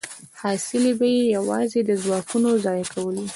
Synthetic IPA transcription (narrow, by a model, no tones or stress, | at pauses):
hɑsɪlebajejawɑ̰zed̪əzwɑkunozɑjakʰawəli